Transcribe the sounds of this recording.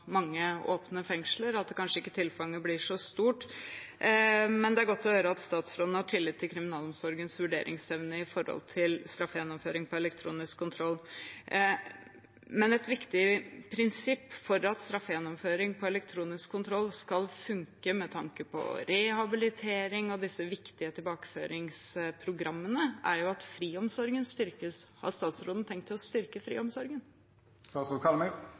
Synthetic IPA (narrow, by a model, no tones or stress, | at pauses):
mɑŋːəo̰ːpnəfɛŋʂləɾɑt̪̚d̪ɛkʰɑnʂəɪkːə̥t̪ʰɪlfɑŋːəblɪʂɔst̪uːʈ | mɛnd̪ɛæɾɡɔt̪ʰːɔjøːɾəɑt̪st̪ɑːt̪sɾod̪nhɑʈʰɪlːɪt̪ʰːɪlkʰɾɪmɪnɑːlɔmsɔɾɡənsʋʉɖḛːɾʔɪ̰ŋsɛʋnəɪfɔɾhɔ̰lt̪ʰɪlst̪ɾɑfːəjɛnːɔmføːɾɪŋpɔɛlɛk̚t̪ʰɾṵːnɪskʰːʊnt̪ʰɾɔlː | mɛnɛt̪ʋɪkt̪ɪpʰɾɪnsɪpːfɔɾɑt̪st̪ɾɑfːjɛnːɔmføːɾɪŋpʰɔɛlɛkt̪ʰɾuːnɪskʰːʊnt̪ʰɾɔlːskɑlfʉŋkəmɛt̪ʰɑŋkəpʰɔ̰ɾɛhɑbɪlɪt̪ʰeːɾɪŋɔd̪ɪsːəʋɪkt̪ɪət̪ʰɪlbɑːkə̥fø̰ːɾɪŋspʰɾʊɡɾɑmːənəʔæɾjʊɑt̪fɾiːɔmsɔɾɡənst̪ʏɾkəshɑ̰ɾst̪ɑːt̪sɾoːd̪n̩t̪ʰɛŋkt̪ːɪlɔst̪ʏɾkəfɾḭːɔmsɔɾɡən | st̪ɑːtsɾoːkʰɑlmɛ